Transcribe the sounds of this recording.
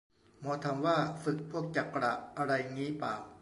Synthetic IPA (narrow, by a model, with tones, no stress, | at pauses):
mɔː˧t̪ʰa˧mwaː˥˩fɯ˨˩k̚pʰu˥˩ək̚t͡ɕa˨˩pkːɾa̰ː˨˩ʔʔa˧ɾa˧jŋiː˦˥paː˨˩w